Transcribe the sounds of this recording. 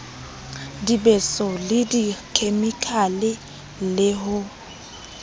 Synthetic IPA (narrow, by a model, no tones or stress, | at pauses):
dibɛsɔlɪdikʰʼemikʼʰalɪ | lɪhʊ